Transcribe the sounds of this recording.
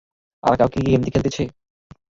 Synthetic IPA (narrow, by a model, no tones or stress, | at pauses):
a̰ɾkawkiiemt̪ikʰelt̪et͡ɕʰe